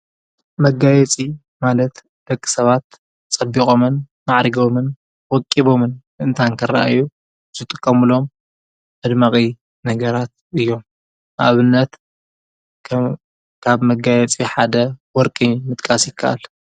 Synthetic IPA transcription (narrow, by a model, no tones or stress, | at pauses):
mɐɡajɛt͡sʼi | malɐt̪ | b̪̥ɐkʼːi̥sɐβat̪ | t͡sʼɐbːikʼo̞mɨn | maʕɾiɡo̞mɨn | wɔkʼːiβo̞mɨn | ɨnt̪ʰaŋkʰɨɾa̰ʔa̰ju | zɨt̪ʼɨkʼːɐmɨlo̞m | ʕɨd̪maχʼi | nɐɡɐɾat̪̚ | ʔɨjːo̞m | ʔa̰βɨnːɐt̪ | kʰaβmɐɡajɛt͡sʼiħad̪ɐwɔɾkʼimɨt̪ʼkʼasjɪkʰːaʔa̰l